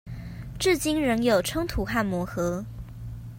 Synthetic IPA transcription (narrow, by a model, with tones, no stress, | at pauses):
ʈ͡ʂɻ̩˥˩t͡ɕi˥nɻə˧˥ŋjo˨˩ʊʈ͡ʂʰɤ˥ŋt̪ʰu˧˥xa˥˩nmwɔ˧˥xɤ˧˥